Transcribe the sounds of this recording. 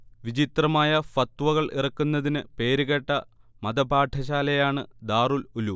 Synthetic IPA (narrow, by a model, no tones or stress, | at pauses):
ʋid͡ʑit̪rɐmaːjɐfɐt̪ʋɐɣɐɭʔḭrɐkːunːɐðinɨpe̞ːɾuɣeʈːɐmɐd̪ɐbʱaːʈʰɐɕaːlɐjaːɳɨd̪aːrululu